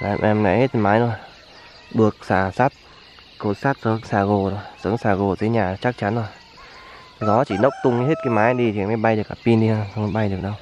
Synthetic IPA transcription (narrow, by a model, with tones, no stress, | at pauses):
la̰ː˨˧˩mʔɛ˧mŋa̰˧˨jhe˦˥t̚maː˨˦jto˧˩j | ɓɨ˨˩ək̚saː˧˩saː˦˥t̚ | ko˧˩t̚saː˦˥t̚sə˨˦ŋsaː˧˩ɣo˨˩zo˧˩jsə˨˦ŋsaː˧˩ɣo˨˩t̪ʰi˨˦ɲaː˨˩t͡ɕa˦˥k̚t͡ɕa˨˦nzo˧˩j | zɔ˨˦t͡ɕi˧˩nə˦˥wk͡p̚t̪ʊ˧ŋ͡mɲɨ˧he˦˥t̚kaː˨˦jmaː˨˦jɗi˧t͡ɕi˨˦jma˨˦jɓa˧jɗɨ˨˩ək̚ʔaː˧˩pi˧nɗi˧ə˧swŋ͡mjɓa˧jɗɨ˨˩ək̚ɗə˧w